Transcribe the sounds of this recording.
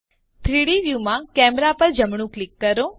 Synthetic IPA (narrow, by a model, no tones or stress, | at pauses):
t̪ʰɾiɽiʋjumãkɛːmɾapəɾd͡ʒəmɳ̃ũklɪkːəɾo